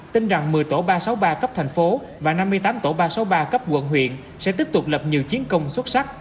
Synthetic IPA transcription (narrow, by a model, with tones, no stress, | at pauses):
t̪i˧nza˨˩ŋmɨ˨˩əjt̪o̰˧˩ɓaː˧sa˨˦wɓaː˧kə˦˥p̚t̪ʰɛ˨˩ŋ̟fo˨˦ | vaː˨˩na˧mː˧əjt̪aː˨˦mt̪o˧˩ɓaː˧sa˨˦wɓaː˧kə˦˥p̚kwə̰˧˨nɦwḭ˧˨ən | sɛ̰˧˥t̪i˦˥əp̚t̪ʊ˨˩k͡p̚lə˨˩p̚ɲi˨˩əwt͡ɕi˨˦ənkə˧wŋ͡mswə˦˥t̚sa˦˥k̚